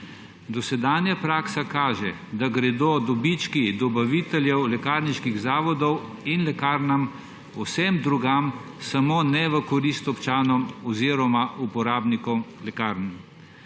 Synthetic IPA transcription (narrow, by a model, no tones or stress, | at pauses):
d̪ɔsɛd̪aːnjapɾaːksakaːʒɛ̰ | d̪aɡɾɛd̪od̪ɔbit͡ʃkid̪ɔbaʋiːt̪ɛljɛwlɛkaːɾniʃkiɣzaːʋɔd̪ɔw | inlɛkaːɾnam | ɔsɛmd̪ɾuɡam | samoːnɛʋəkɔɾist̪ɔpt͡ʃaːnɔmɔziːɾɔmaʔupɔɾaːbnikɔmlɛkaːɾnm